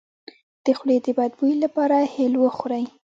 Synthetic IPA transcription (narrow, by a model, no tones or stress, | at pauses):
d̪̥əxɽed̪əbad̪̚bujlapɑɾahelwəxʊɾaj